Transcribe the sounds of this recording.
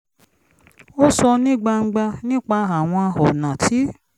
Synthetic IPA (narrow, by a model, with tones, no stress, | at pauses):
o˦sɔ˧nĩ˦˨ɡ͡ba˧ŋ̩˦ɡ͡ba˧nĩ˦k͡pa˧a˨w̃ɔ̃˧a˧hɔ˨nã˨tʰi˨˦